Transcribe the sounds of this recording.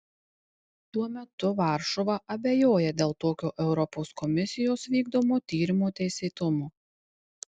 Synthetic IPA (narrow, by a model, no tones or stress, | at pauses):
t̪uɔmʲɛt̪ʊʋɑˑɾʃoʋɐʔɐbʲejoːjɛd̪ʲeːlˠt̪oːkʲoːʔɛʊɾɔpoːskɔmʲɪsʲɪjoːsʋʲiːɡd̪oːmoːt̪ʲiːɾʲɪmoːt̪ʲɛɪsʲeːt̪ʊmoː